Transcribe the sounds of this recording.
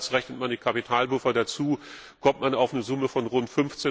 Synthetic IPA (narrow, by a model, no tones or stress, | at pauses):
sʁɛçnət̚mandiːkʰapitʰaːlbʊfɐdat͡suː | kʰɔmt̚manaʊfnəzʊməfɔnʁʊntfʏnft͡seː